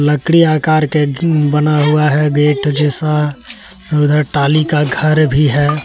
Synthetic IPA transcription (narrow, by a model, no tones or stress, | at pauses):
ləkɽiaːkaːɾkebənaɦuaɦɛɡeːʈd͡ʒɛːsa | ʊd̪ʱəʈaːlikaɡʱəɾbʱiɦɛː